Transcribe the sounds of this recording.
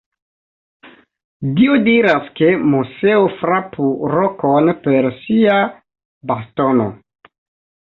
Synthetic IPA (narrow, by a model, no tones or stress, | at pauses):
diodiɾaske̞museofɾapʰuɾokonpe̞ɾsia | basto̞no̰